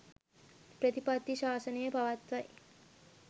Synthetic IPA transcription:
pɾət̪ipat̪ːiʃaːsəneebʱaʋat̪ʋaj

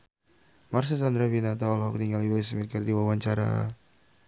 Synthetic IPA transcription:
mars̬isand̪ɾabinat̪aɔlɦɔkniŋɡaliwilsmit̪̚kərd̪iwawaɲt͡ʃaɾa̰

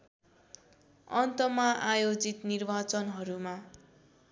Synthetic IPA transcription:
ʌnt̪ʌmaʔajod͡zit̪nirbat͡sʌnɦʌɾuma

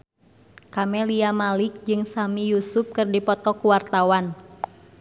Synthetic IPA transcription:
kamɛliamalɪk̚d͡ʒɨŋsamijusʊp̚kɨrdipɔt̪ɔkuwart̪awan

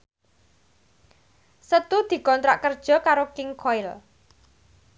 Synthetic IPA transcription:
sət̪ud̪̥i̤kɔnt̪ɾaʔkərd̥ʒ̥ɔ̤kaɾokɪŋkʰɔɪl

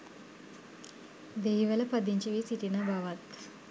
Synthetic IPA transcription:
d̪eɦiʋɐlɐpɐd̪iɲt͡ʃiʋisiʈinabʱaʋat̪

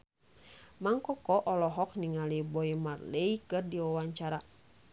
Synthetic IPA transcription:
maŋkɔkɔʔɔlɔɦɔk̚niŋalibɔimarleikɨrdiwawaɲt͡ʃaɾa

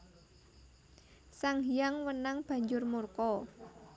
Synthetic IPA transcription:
saŋɦijaŋwənaŋb̥a̤ɲd͡ʒʊrmurkɔ

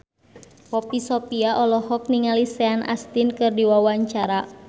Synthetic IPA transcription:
pɔpisɔpiaʔɔlɔɦɔk̚niŋalisɛanʔa̰st̪inkɨrdiwawaɲt͡ʃaɾa

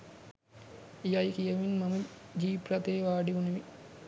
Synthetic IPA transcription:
jajkijɐʋinmaməd͡ʒiːprat̪eːʋaːɖiʋuneʋi

